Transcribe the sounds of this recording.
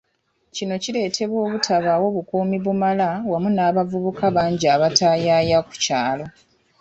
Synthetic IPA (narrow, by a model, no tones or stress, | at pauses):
cino̞cile̞ːtʰe̞βwo̞ːβutʰaβawo̞βukuːmiβumalawamunaːβavuβukaβaːɲɟiaːβataːjaːjaku̥caːlo̞